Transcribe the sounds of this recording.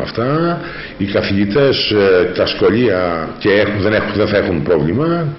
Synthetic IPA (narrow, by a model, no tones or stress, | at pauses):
ɐ̰ft̪ɐ | ikɐθiʝit̪e̞st̪ɐsxo̞ʎiɐce̞exuðe̞nexuðenθɐe̞xunpɾo̞vlimɐ